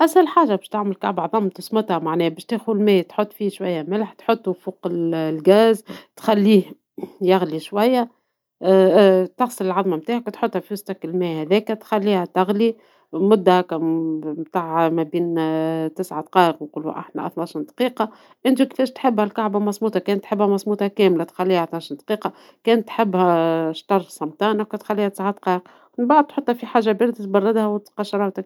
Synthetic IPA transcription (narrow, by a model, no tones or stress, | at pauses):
ʔæshælħaːʒabɛːʃt̪aʕməlkaʕbaʕðˤɑmt̪ʊsˤmʊt̪hæmaʕnɛːhbɛːʃt̪eːxulmɛːt̪ħot̪ˤːfiʃwajːæmɪlħt̪ħot̪ˤːufuːqɪllɡæːzt̪xælːiːh | jaɣliʃwæjːæ | t̪ɑxsˤəlɪlʕɑðˤmamt̪aːʕhækæt̪ħot̪ːhæfiwʊst̪ɑkɪlmɛːhæðɛːkæt̪xælːiːhæt̪ɪɣli | mʊd̪ːæhækæmt̪aːʕmæbiːnt̪ɪsʕad̪qɑːʔəqnquːlṵʔa̰ħnæ̰ʔɑ̰θnɑʃənd̪qiːqɑ | ʔɪnt̪ikfɛːʃt̪ħɪbːhælkaʕbamɑsˤmuːt̪ˤɑkɛːnt̪ːħɪbːhæmɑsˤmuːt̪ˤɑkɛːmlat̪xalːiːhæʔɑθnɑʃnd̪qiːqɑ | kɛːnt̪ːħɪbːhæʃt̪ɑrˤsˤɑmt̪ˤɑːnawkæt̪xalːiːhæt̪ɪ̥sʕad̪qɑːʔəq | nbaʔd̪̚t̪ħot̪ːˤhæfiħaːʒːabiːɾd̪t̪̚bɑrˤːɑd̪hæwt̪qɑʃɑɾˤɑt̪ak̚